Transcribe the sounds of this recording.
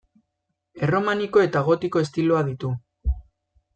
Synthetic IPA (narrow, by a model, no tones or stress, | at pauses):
e̞ro̞maniko̞e̞t̪aɣ̞o̞t̪iko̞e̞st̪iloaðit̪u